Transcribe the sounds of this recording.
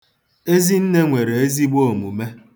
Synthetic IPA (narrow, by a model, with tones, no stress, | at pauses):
e˦zi˦n̩˦ne˦ŋʷe˨ɾe˨e˦zi˦ɡ͡bo˦˨mu˨me˦